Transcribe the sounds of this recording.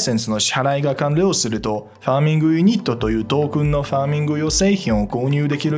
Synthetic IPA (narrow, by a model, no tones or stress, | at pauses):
sẽ̞ñsɨno̞ɕaɾaiɡakãnɾe̞osɨɾɯ̟t̪o̞ | ɸaːmʲĩŋɡɯ̟jɯɲ̟it̪ːo̞t̪o̞jɯ̟ːt̪o̞ːkɯ̟̃nːo̞ɸaːmʲĩŋɡɯjo̞se̞ːçĩɰ̃o̞ko̞ːɲ̟ɨːd̪e̞kʲiɾɯ